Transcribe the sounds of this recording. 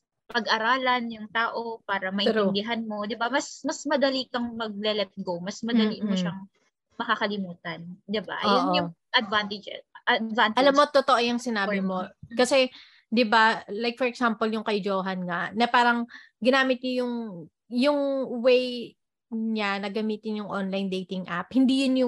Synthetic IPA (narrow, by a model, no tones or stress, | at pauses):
pɐɡʔɐɾaːlɐnjʊŋt̪aːʔopaːɾɐmɐʔɪnɾɪond̪ɪɦanmo̞d̪ɪbamɐsmɐsmɐd̪ɐlikɐŋmɐɡ̚lɛlɛt̪̚ɡomɐsmɐd̪ɐliʔmoʃɐŋ | mɐkakɐlɪmuːt̪ɐnd̪ɪba̰ʔɐjonʔoʊʔɐd̪̚vant̪ɛd͡ʒɛʔɐd̪vant̪ʔɐlamːot̪ot̪oʔojʊŋsɪnaːbɪmo̞kɐsɛ | d̪ɪbalajk̚fɔɹɛksampoljʊŋkɐjd͡ʒoːɦɐnŋɐnɐpaːɾɐŋ | ɡɪnaːmɪt̪̚ɲojʊŋ | jʊŋwej | ɲanɐɡɐmiːt̪ɪnjʊŋʔonlajnd̪ejt̪ɪŋʔa̰phɪnd̪iːjʊnjʊ